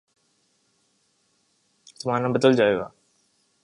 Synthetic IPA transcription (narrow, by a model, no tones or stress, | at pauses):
t̪ʊmãːnãːbəd̪əld͡ʒaːea̰ː